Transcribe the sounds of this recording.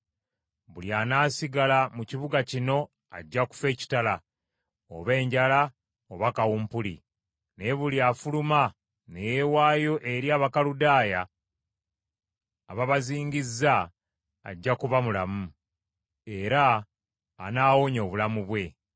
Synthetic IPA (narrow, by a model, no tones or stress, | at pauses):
βuljanaːsiɡalamuciβuɡacino̞ | a̰ɟːaku̥fe̞ːci̥tala | o̰βe̞ːɲɟala | oβakawuːmpulḭ | neβuliafuluma | nejewaːjo̞ʔe̞ɾjaːβakaludaːja | βaβaziːŋɡizːa̰ː | ɟːakuβamulamu | e̞ɾaː | naːwoɲo̞ːβulamuβwe̞